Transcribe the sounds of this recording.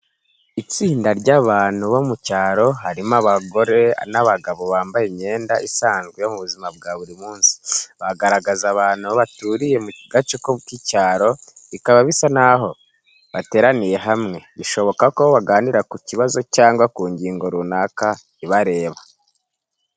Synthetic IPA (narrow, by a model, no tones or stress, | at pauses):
it͡siːndaɾɟaβaːn̥huβo̞mucaːɾo̞ɦaɾimaβaɡo̞ɾe̞anaβaɡaβo̞βaːmbajemɲe̞ːndaʔisaːnzɡwejo̞muβuzimab̚ɡaβuɾimuːnsi̥βaɡaɾaɡazaβaːn̥huaβatuːɾije̞muɡ̥at͡ʃukokicaːɾo̞ | ikaβaβisanaɦo̞ | βate̞ːɾanije̞ɦamŋe̞βiʃo̞βo̞kakoβaɡaːniɾakuciβazo̞caːŋɡwakuːɲɟiːŋɡo̞ɾunaka | iβaɾe̞ːβa